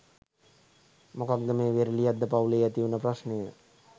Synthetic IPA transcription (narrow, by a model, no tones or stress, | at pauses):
mokaɡ̪ːəmeːʋeɾlijad̪ːəpauleːat̪iunəprasnejə